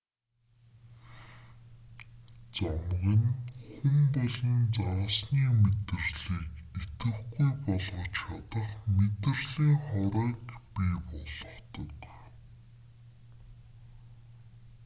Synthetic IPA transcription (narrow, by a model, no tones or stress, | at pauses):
t͡sɔmʁə̆nxumpɔɮɞ̆nt͡saːsniːmet̪ɘ̆rɮiːket̪ɘ̆χɡujpɔɮʁɞ̆t͡ɕχat̪ə̆χmet̪ɘ̆rɮiːŋχɔɾœːkpipɔɮɞ̆χt̪ɞ̆k